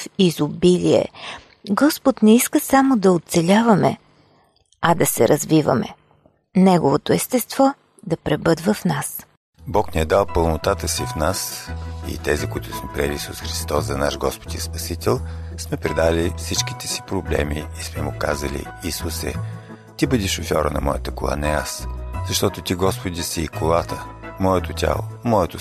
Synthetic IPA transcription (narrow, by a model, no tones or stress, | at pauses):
fizʊbiliɛ̰ | ɡɔspʊt̪nɛiskəsamod̪ɐot̪sɛlʲavɐmɛ | ɐd̪ɐsɛɾʔɐzvivɐ̰mɛ̰ | nɛɡovot̪oɛst̪ɛst̪vɔ | d̪ɐpɾɛbɤd̪vəfnas | bɔknɛɛd̪alˠpəlˠnot̪at̪əsifnasḭt̪ɛzikʊit̪ʊsmɛpɾiɛlʲiːsusxɾist̪ɔszɐnaʃɡɔspo̥d̪ʲispɐsit̪ɛlˠsmɛpɾɛd̪alifsit͡ʃk̟i̥t̪ɛ̥si̥pɾoblɛ̰miːsmɛmʊka̰zə̰lʲḭ | isusɛ̰ | t̪ibɤd̪ʲiʃofʲɔɾənɐ̰mɔjət̪əkolˠa̰nɛaszɐʃt̪ɔt̪ʊt̪ʲiɡɔspod̪ʲisiːkolˠat̪ʰəmɔɛt̪ʊt̪ʲa̰lˠo̰mɔɛt̪ʊ